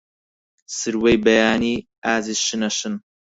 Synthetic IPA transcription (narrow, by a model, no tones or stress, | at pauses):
sɨɾwejbɐjaːniː | aːzizʃɨnɐʃɨn